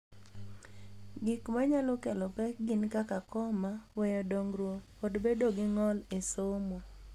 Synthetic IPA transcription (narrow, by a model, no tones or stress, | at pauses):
ɡɪkmaɲalɔkɛlɔpɛɡɪnkakakɔmawɛjɔdɔŋɾwokodbedoɡɪŋɔlɪsomɔ